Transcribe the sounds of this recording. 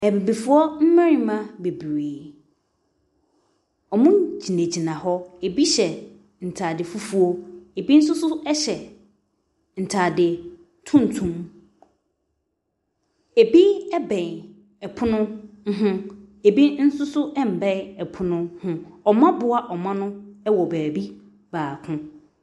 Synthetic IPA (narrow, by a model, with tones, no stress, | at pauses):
ɛ˨bi˨bi˨fʊ˦ɔ˦m̩˦mɛ̃˦ɾĩ˨mã˦be˨bɾiː˨ | ɔ˨mʊ̃˦d͡ʑi˨nẽ˨d͡ʑi˨nã˨hɔ˦e˨bi˦ɕɛ˨ | n̩˨tʰaː˨dɪ˨fu˦fu˦o˦e˨bi˦n̩˦sʊ˦sʊ˦ɛ˦ɕɛ˨ | n̩˨tʰaː˨dɪ˨ | tʰʊ̃˦n̩˨tʰũ˦m | e˨bi˦ɛ˦bɛ̃˨ŋ | ɛ˨pʰʊ˦nʊ̃˦ɦʊ̃˦ | e˨bi˦n̩˦sʊ˦sʊ˦ɛ˦m̩˨bɛ̃˦˨ɛ˨pʰʊ˦nʊ̃˦hʊ̃˦ɔ˨mã˦bʊ˦a˦ʔɔ˨mã˦nʊ̃˦ɛ˦wɔ˨bæː˨bi˦ | baː˨kʰʊ̃˦